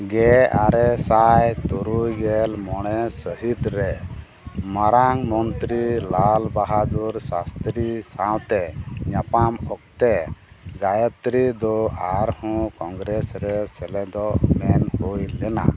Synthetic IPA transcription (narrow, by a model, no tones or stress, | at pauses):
ɡɛaɾɛsajt̪ɔɾujɡɛlmɔɽ̃ɛsəɦit̪ɾɛ | maɾaŋmɔnt̪ɾilalbaɦad̪uɾsast̪ɾisaw̃t̪ɛɲapamɔkt̪ɛ | ɡajət̪ɾid̪ɔaɾhɔ̃kɔŋɡɾɛsɾɛsɛlɛd̪ɔmɛnkojlɛna̰